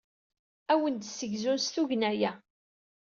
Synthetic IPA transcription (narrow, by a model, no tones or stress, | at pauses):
æwənd̪səʝzunsθuʝnæjæ